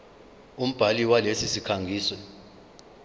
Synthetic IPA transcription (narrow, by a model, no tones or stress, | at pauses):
um̩b̥ʱaliwalesisikʰaŋɡʱiːswɛ